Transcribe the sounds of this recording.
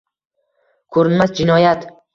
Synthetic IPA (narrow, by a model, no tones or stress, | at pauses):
kʰɵɾɪnmasd͡ʒɪnɒjat̪